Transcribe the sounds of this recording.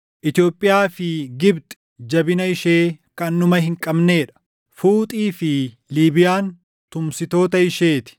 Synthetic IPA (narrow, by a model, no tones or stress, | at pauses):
ʔɪt̪ɪjo̞ːpʼːɪjaːfɪɡɪbt̪ʼɪ̥ | d͡ʒɐbɪnɐɪʃeːkɐnːʊmɐɦɪŋkʼɐbneːᶑɐ̥ | fuːt̪ʼiːfɪ | liːbɪjaːn | t̪ʊmsɪt̪o̞ːt̪ɐɪʃe̞ːt̪ɪ̥